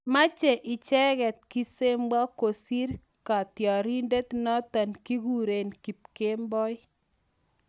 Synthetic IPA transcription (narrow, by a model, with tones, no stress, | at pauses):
ma˦t͡ʃe˨ʔɪ˨t͡ʃɛ˦ɣɛ˨t̪̚ki˦se˦mba˦ko˨si˦ɾ | ka˨tjɔ˨ɾi˦nde˦t̪nɔ˦ta˨nki˦ɡu˨ɾe˨nki˨p̚ke˦mbɔ˦j